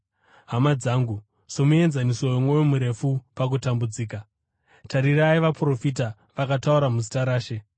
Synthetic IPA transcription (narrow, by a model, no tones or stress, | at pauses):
ɦamad͡zaːŋɡu | so̞mue̞nzanisojomwojomuɾe̞fupak̬utambud͡ziːka | taɾiɾaiʋapuro̞fita | ʋakatauɾamuzitaɾaːʃe̞